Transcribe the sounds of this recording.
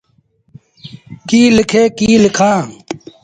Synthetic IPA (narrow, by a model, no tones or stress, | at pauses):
kiːlɪkʰeːkiːlɪkʰãː